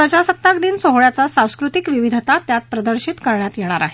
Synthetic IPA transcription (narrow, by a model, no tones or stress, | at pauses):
ɾəd͡ʑasət̪ːakd̪iːnsoɦɭjat͡sasãw̃skɾut̪ikʋiʋid̪ʱt̪at̪jat̪̚pɾəd̪əɾɕit̪kəɾɳjat̪jeɽ̃aɾaɦe